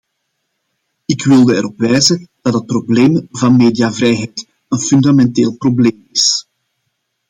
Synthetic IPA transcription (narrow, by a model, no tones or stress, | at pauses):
ɪkwɪlˠdəɛɾɔpʋɛːzəd̥ɑdɦət̚probleːmvɑnmeːdijavɾɛjɦɛjt | ənfyndamɛnteːlˠprobleːmɪs